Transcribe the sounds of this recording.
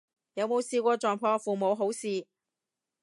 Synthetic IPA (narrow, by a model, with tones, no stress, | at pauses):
jɐ˨˧wmo˨˧wsiː˧kʷɔː˧t͡ʃɔː˨ŋpʰɔː˧fuː˨mo˨˧wɦo˨˥wsiː˨˧